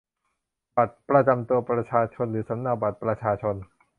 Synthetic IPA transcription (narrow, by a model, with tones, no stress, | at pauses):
ba˨˩t̪̚pɾa˧t͡ɕa˧mt̪u˧ɐpɾa˧t͡ɕʰaː˧t͡ɕʰo˧nɾɯː˩˦sa˩˦mna˧˩ba˨˩t̪̚pɾa˧t͡ɕʰaː˧t͡ɕʰo˧n